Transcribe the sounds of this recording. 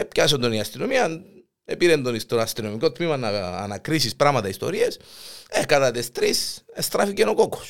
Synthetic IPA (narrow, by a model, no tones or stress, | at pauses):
epcɐs̬ond̪o̞niɐst̪ino̞miɐn | epiɾend̪onist̪oɐst̪ino̞miko̞t̪mimɐnɐ̰nɐkɾisispɾɐmɐt̪ɐist̪o̞̰ɾiesekɐt̪ɐt̪ist̪ɾisest̪ɾɐficenokoko̥s